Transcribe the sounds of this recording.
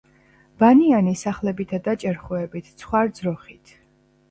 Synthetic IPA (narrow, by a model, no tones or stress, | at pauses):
b̥anianisaχlɛbit̪ʰad̪at͡ʃʼɛɾχuɛbit̪ʰt̪sʰχwaɾd̪zɾɔχit̪ʰ